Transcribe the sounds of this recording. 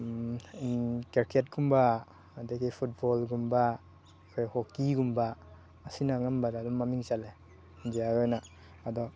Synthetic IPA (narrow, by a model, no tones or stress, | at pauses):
inkeɾkʰet̚ɡumbaː | dakepʰut̚bɔlɡumba | ɔjhɔkiɡumbaː | sinaŋambadadɔmːamiŋsale | nd͡ʒiaojna | adɔ